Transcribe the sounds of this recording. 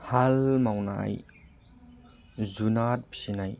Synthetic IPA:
halmawna̰j | zunat̚psinaj

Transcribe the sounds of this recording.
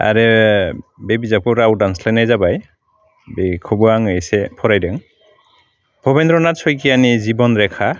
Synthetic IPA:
a̰ɾe | bebizap̚kɔɾawdanslanajzabaj | bekʰɔbɔaŋɯsɛpʰɔɾajdɯŋ | bʱɔbɛndɾɔnatsɔjkianizibɔnɾɛkʰa

